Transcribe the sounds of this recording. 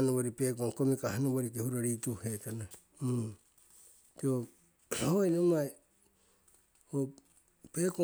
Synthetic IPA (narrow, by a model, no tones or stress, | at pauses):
noβoɾipeːkoŋkomikahanoboɾikehuɾaɾituhetana | to | ojnomaj | o | peko